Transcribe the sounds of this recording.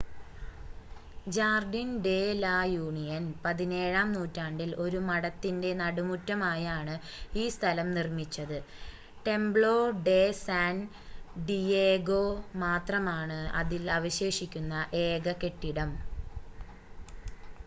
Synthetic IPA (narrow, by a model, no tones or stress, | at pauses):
d͡ʑaːrɖinɖe̞ːlaːjuːɳijɐnpɐðine̞ːɻaːmnuːtːaːɳɖilo̞ɾumɐɽɐt̪ːinde̞nɐɽumutːɐmaːjaːɳɨiːst̪ʰɐlɐmnirmit͡ɕːɐðɨ | ʈe̞mbɭo̞ːɖe̞ːsaːn | ɖieːɡo̞ːmaːt̪rɐmaːɳɨɐ̰ðilɐʋɐɕe̞ːʂikʲːunːɐʔe̞ːɡɐke̞ʈːiɽɐm